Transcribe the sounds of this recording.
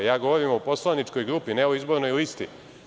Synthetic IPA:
jaːɡo̞ʋoɾimupo̞slˠanit͡ʃko̞jɡɾuːpinɛoizbo̞ɾno̞jlist̪ḭ

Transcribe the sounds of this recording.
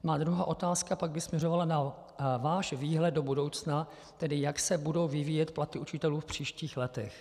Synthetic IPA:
maːd̪ɾuɦaːʔo̞t̪aːskapaɡ̚bɪsmɲɛrovalana | vaːʃviːɦlɛd̪̚do̞budo̞wt͡sna | t̪ɛdɪjaksɛbudo̞wvɪviːjɛt̪plat̪ɪʔut͡ʃɪt̪ɛluːfpr̝̥iːʃciːxlɛt̪ɛx

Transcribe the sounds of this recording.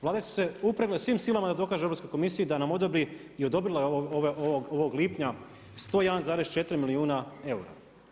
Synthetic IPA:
ʋlaːd̪esu̥se̞upɾeɡlesʋiːmsiːlˠamad̪ad̪o̞kaːʒeɾopskojko̞misijid̪anamo̞d̪obɾi | iod̪o̞bɾilˠaooʋeʔooɡoʋo̞ɡliːpɲa | st̪o̞ːjed̪anzaːɾest͡ʃe̞t̪ɾimiliuːnae̞uɾa̰

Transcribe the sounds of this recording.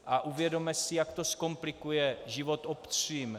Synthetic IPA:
ʔaʔuvjɛdo̞mɛsɪjakt̪o̞sko̞mplɪkujɛʒɪvot̪optriːm

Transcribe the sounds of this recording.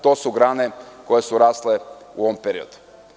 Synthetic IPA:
t̪oːsuɡɾaːneko̞jesuɾaːsleṵoʋompeɾio̰d̪u̥

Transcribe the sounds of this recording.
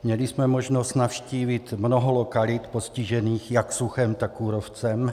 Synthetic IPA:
mɲɛlismɛmoʒnosc̪nafʃciːvit̪mnoɦɔlokalit̪posciʒɛniːxjaksuxɛmt̪akːuːɾoft͡sɛm

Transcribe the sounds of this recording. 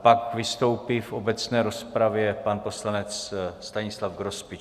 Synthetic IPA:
pakvɪst̪o̞wpifʔo̞bɛt͡snɛːɾo̞spɾavjɛpanpo̞slanɛt͡sst̪aɲɪslavɡɾo̞spɪt͡ʃ

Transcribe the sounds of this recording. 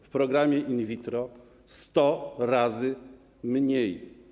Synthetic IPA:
fpɾɔɡɾamʲjɛʔinvʲit̪ɾɔ | st̪ɔɾazɘ | mɲej

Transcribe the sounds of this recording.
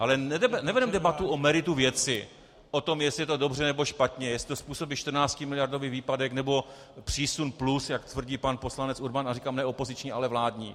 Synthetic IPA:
ʔalɛnɛɛnɛvɛdɛmdɛbat̪uʔomɛɾɪt̪uvjɛt͡sɪ | ʔo̞t̪o̞mjɛsɪɛt̪o̞do̞br̝ɛnɛbo̞ʃpat̪ɲɛjɛslɪ̥t̪ospuːso̞biːʃt̪rnaːt͡scɪmɪlɪjaɾdoviːviːpadɛknɛbo̞ | pr̝̥iːsunplusjakt̪vr̩ɟiːpanposlanɛt͡suɾbanarikaːmnɛo̞po̞zɪt͡ʃɲiʔalɛvlaːdɲiː

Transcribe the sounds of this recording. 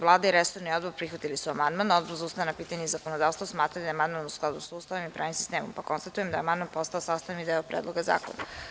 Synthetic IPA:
ʋlˠaːd̪aiɾesoɾnio̞d̪boɾpɾixʋat̪ilisuamand̪manod̪bozuːst̪ajanapiːt̪aɲeizakonod̪aːʋst̪vosmaːt̪ɾad̪ajemand̪̚manusklˠad̪usust̪aʋomipɾa̰ːʋimsi̥st̪eːmo̰mpakonst̪at̪ujemd̪ajemand̪manpo̞st̪aosast̪anid̪eopɾḛdlˠoɡaza̰ːkona̰

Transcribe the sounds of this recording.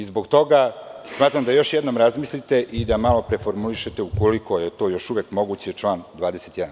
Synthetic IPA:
izbo̞ɡt̪o̞ɡasmaːt̪ɾamd̪ajo̞ʃjed̪no̞mɾazmislit̪e̞ʔid̪amalo̞pɾe̞fo̞ɾmuliʃet̪eukoliko̞jet̪o̞ːjo̞ʃuʋeːkmo̞ɡut͡ɕet͡ʂlˠaːnd̪ʋaːd̪ese̞t̪jɛd̪an

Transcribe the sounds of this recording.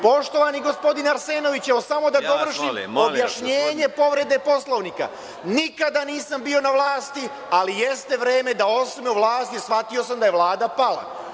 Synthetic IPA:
po̞ʃt̪o̞ʋaniɡo̞spo̞d̪inaɾse̞ːno̞ʋit͡ɕɛosamo̞d̪ad̪o̞ʋr̩ʃiobjaʃɲeːɲe̞po̞ʋɾe̞d̪e̞po̞slo̞ʋnika̰ | nikad̪aniːsambio̞naʋlˠaːst̪i | alijest̪e̞ʋɾe̞ːme̞d̪ao̞smeuʋlaːst̪isfat̪io̞samd̪aje̞ʋlˠaːd̪apala̰

